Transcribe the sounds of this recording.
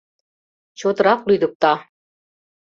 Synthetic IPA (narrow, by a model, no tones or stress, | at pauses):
t͡ɕot̪ɤ̆ɾɑqlyd̪ɤ̆k̚t̪ɑ